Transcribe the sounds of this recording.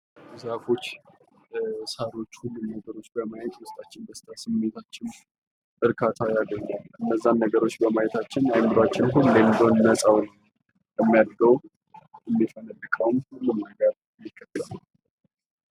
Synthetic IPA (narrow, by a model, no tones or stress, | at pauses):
zafo̞t͡ʃː | saɾo̞t͡ʃːhulːumnəɡəɾo̞t͡ʃːbəmajɛt̪wʊst̪ʼat͡ʃːɪnbəst̪ʰʼasɨmːet̪ʰat͡ʃːɪn | ʔɨɾkʰat̪ʰajalːəɲːalʔɨnːəzːanːəɡəɾo̞t͡ʃːbəmajɛt̪ʰat͡ʃːɪnajmːɨɾat͡ʃːɪnɦulːəmd̪onnəsʼawn | jəmːijad̪ɡəw | ʔɨmːifənəlːɨkʼəwmhulːɨmːaɡaɾ | mːikʰʼːət̪ːɨlalː